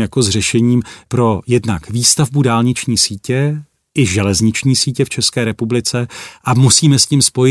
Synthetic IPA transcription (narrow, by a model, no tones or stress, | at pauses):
jako̞zrɛʃɛɲiːmpɾo̞jɛdnakviːst̪avbudaːlɲɪt͡ʃɲiːsiːcɛ | ʔɪʒɛlɛzɲɪt͡ʃɲiːsiːcɛft͡ʃɛskɛːɾɛpublɪt͡sɛʔamusiːmɛscimspo̞jɪ